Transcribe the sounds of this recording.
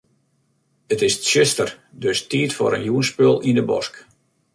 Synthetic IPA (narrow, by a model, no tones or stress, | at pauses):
ətɪstsøstərdøstiːtfo̰ːɾənjuənspølˠindəbɔ̰sk